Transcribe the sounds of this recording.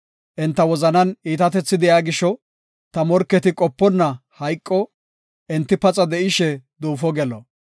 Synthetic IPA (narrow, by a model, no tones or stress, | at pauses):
ʔɛnt̪ːɐwɔzɐnɐniːt̪ɐt̪ɛt͡sːɪd̪ɪjaːɡɪʃɔ | t̪ɐmɔɾkːɛt̪ɪkʼɔpːɔnːɐhɐjkʼːɔ | ʔɛnt̪ːɪpɐt͡sʼɐd̪ɛʔɪʃɛd̪uːfɔɡɛlɔ